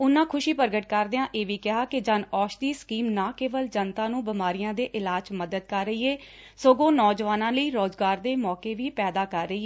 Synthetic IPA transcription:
ʊnãːkʰʊʃiːpəɾɡəʈkəɾd̪eːãːʔeːʋiːkɪɦaːkɪd͡ʒənɔːʃd̪iːskiːmnãːkeːʋəld͡ʒənt̪ãːnũːbɪmaːɾijãːd̪eːʔɪlaːd͡ʒməd̪əd̪̚kəɾːəiːeː | soːɡõːnɔːd͡ʒʋaːnãːləiːɾoːzɡaːɾd̪eːmɔːkeːʋiːpɛːd̪aːkəɾːəiːeː

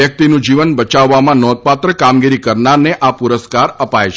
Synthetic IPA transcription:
jək̚t̪inũd͡ʒiʋənbət͡ʃaʋːamãnɔd̪̚pat̪ɾəkamɡiɾikəɾnaɾneʔapuɾəskaɾəpajt͡ʃʰ

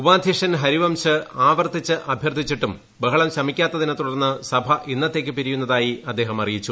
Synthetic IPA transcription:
ubaːd̪ʱjiʂɐnɦɐɾiʋɐmɕɨaːʋɐrt̪it͡ɕːɨʔɐbʱjɐrtd̪ʱit͡ɕːiʈːum | bɐɦɐɭɐmɕɐmikʲːaːt̪ːɐðinɐt̪uɽɐrnːɨsɐbʱɐʔinːɐt̪ːe̞ːkʲːɨpiɾijunːɐðaːjiɐd̪ːe̞ːɦɐmɐrijit͡ɕːu

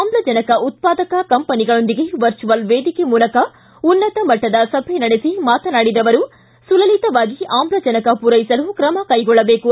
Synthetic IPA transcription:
aːmblɐd͡ʒɐnɐkɐʔut̪̚paːd̪ɐkɐkɐmpɐniɡɐɭo̞nd̪iɡe̞ʋɐɾt͡ʃuʋɐlʋeːd̪ikemuːlɐkɐ | unːɐt̪ɐmɐʈːɐd̪ɐsɐbʱɛnɐɽesimaːt̪ɐnaːɽid̪ɐʋɐɾu | sulɐlit̪ɐʋaːɡiaːmblɐd͡ʒɐnɐkɐpuɾɐjisɐlukɾɐmɐkɐjɡɔɭːɐbeːku

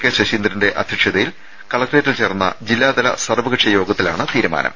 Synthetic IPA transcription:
kːeɕɐɕiːnd̪ɾinde̞ʔɐ̰d̪ʱjɐkʂjɐðɐjil | kɐɭɐkʈeːtːilt͡ɕe̞ːrnːɐ̰d͡ʑilːaːd̪ɐlɐ̰sɐrʋɐɣiʈʂɐjo̞ːɡɐt̪ːilaːɳɨt̪iːɾuma̰ːnʔɐ̰m

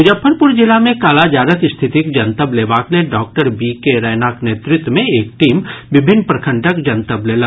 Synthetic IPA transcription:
ʊd͡ʒəpʰːəɾpʊɾd͡ʒɪlamẽkaːlad͡ʒaːɾəkɪst̪ʰɪt̪ikd͡ʒɐnt̪əbleːbaːkleɖɔːk̚ʈəɾbiːkeɾəːjnaːkneːt̪ɾɪt̪wəmẽeːk̚ʈiːmʋɪbʱɪnːpɾɐkʰə̃ɳʈʰəkd͡ʒɐnt̪əbleːlə

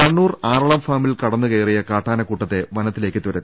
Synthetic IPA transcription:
ɐɳːuːraːrɐɭɐmfaːmilkɐɽɐnːukɐjrijɐkaːʈːaːnɐkuːʈːɐt̪ːe̞ʋɐnɐt̪ːile̞ːkːɨt̪uɾɐt̪ː

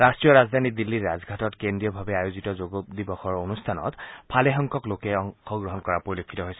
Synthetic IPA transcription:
ɹastɹijɔɹazd̪ʱanidilːiɹːazɡʱatɔtkendɹijɔbʱabɛajozitɔzoɡɔd̪ibɔxɔɹonustʰanɔ̰tpʰalɛɦɔŋkɔklokɛɔŋxɔɡɹɔɦɔnkɔɹapoɹilokʰːitɔɦojsɛ

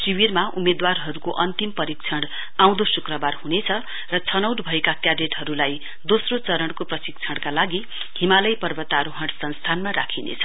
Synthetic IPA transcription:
siwirmaumed̪warɦʌɾukoʔʌnt̪impʌɾik̚t͡sʰʌɽ | aw̃d̪osukrʌbarhunet͡sʰʌ | rʌt͡sʰʌnʌwʈbʱʌekakjabeʈɦʌɾulaj | d̪osrot͡sʌɾʌɽkoprʌsik̚t͡sʰʌɽkalaɡi | himalʌjpʌrbʌt̪aɾoɦʌɽsʌnst̪ʰanmaɾa̰kʰinḛt͡sʰʌ̥

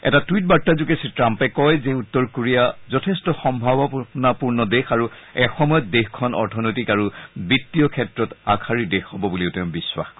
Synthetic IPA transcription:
ɛ̰tatuwit̚baɹtːazukesitɹampɛkɔjzɛutːɔɹkoɹijazɔtʰɛstɔxɔmbʱabɔnapuɹnɔdexaɹu | ɛxɔmɔjɔt̚dexkʰɔnɔ̰ɹtʰɔnojtikaɹubitːiɔkʰɛtɹɔtakʰaɹidexhɔbɔbuliʊtɛʊ̃biswa̰xkɔ

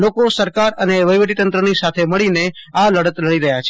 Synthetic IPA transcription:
lokosəɾkaɾəneʋəjʋəʈit̪ənt̪ɾənisat̪ʰeməɭinealəɽət̪ləɽiɾəɦjat͡ʃʰe

